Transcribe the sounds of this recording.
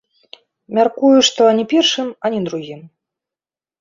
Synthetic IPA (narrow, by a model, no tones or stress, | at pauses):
mʲarkujuʂt̪ɔanʲɛpʲɛrʂɨmanʲɛd̪ɾuɣʲim